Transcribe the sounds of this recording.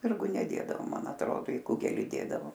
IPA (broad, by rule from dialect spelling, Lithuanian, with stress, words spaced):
ˈsʲpʲɪrɡʊ nʲɛˈdʲeːdɐʋoː ˈmɐn ɐtˈroːdoː ɪ ˈkʊɡʲɛlʲɪ ˈdʲeːdɐʋoː